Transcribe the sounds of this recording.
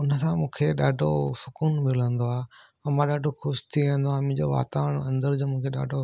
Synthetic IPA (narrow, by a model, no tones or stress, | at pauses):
ʊnəsãmũːkʰeɗaːɖʱosʊkuːnmɪl̤ə̃nd̪oaː | ɐmãɗaːɖʱoxʊʃt̪ʰiʋẽːnd̪oaːmɪ̃d͡ʑoːʋa̰ːt̪aːəɽ̃ɐ̃nd̪əɾd͡ʑomũːkʰeɗa̰ːɖʱo